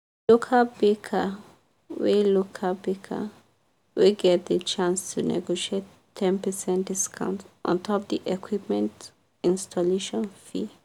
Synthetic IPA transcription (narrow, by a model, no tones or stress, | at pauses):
lukʰabekʰa | wilukʰabikʰa̰ | wiɡɛt̚d̪ət͡ʃãnstʰunɛ̰ɡoʃietʰː | ɛ̃npəsɛ̃ntdiskʰã̰ʊ̃ntʔɔ̰̃ntʰɔp̚d̪iʔɛkʰwip̚mɛ̃nt | ĩnstʰɔleʃɔ̃nfi